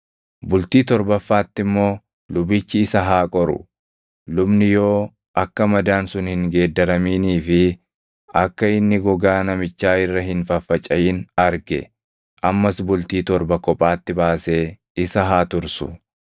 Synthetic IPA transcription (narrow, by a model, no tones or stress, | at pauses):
bʊlt̪iːt̪ɔɾbɐfːaːt̪ːɪmːo̞ː | lʊbɪt͡ʃːɪɪsɐɦaːkʼɔɾʊ̰ | lʊbnɪjoː | ʔɐkːɐmɐd̪aːnsʊnhɪŋɡe̞ːd̪ːɐɾɐmiːniːfɪ | ʔɐkːɐɪnːɪɡɔɡaːnɐmɪt͡ʃːaːɪrːɐɦɪnfɐfːɐt͡ʃʼɐjɪnɐɾɡɛ̰ | ʔɐmːɐsbʊlt̪iːt̪ɔɾbɐkɔpʼːaːt̪ːɪbaːse̞ː | ɪsɐɦaːt̪ʊɾsʊ̰